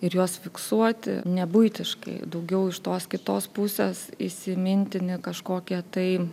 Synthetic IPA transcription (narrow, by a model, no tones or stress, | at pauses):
ɪɾjoɔsfʲɪksuɔt̪ʲɪ̰nʲɛbʊɪt̪ʲɪʃkɐ̰ɪd̪ɐʊɡʲɛʊɪʃt̪oːskʲɪt̪oːspʊsʲeːsɪsʲɪmʲɪnʲt̪ʲɪnʲɪkɐʃkoːkʲiɛt̪ɐɪ